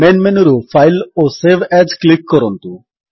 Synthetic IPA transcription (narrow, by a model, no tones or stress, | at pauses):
menɖmenoɾofajloseʋɛd͡ʑklikːɔɾɔnt̪u